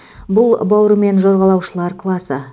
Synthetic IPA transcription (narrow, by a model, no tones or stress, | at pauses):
bʊlˠbɑwɾəme̞nʒo̞ɾʁɑlˠɑwʃəlˠɑɾkʰlˠɑsə